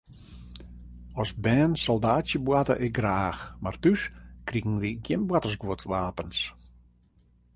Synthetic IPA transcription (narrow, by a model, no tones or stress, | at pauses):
ɔsbɛːnsɔlˠdaːsjəbwatə̰ʔɪk̚ɡraːxmartyskriɣn̩ʋiɡjɪnbwatəsɡuətʰʋaːpəns